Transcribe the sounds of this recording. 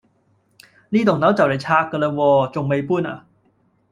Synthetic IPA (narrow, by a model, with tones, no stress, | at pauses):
niː˥˩t̪o˨˩ŋna˨˥wt͡ɕa˨˩wla˨˩t͡ɕʰaː˧kːə˧lə˧wɔː˧t͡ɕo˨˧ŋma˧jpuː˥˩nʔa̰˨˩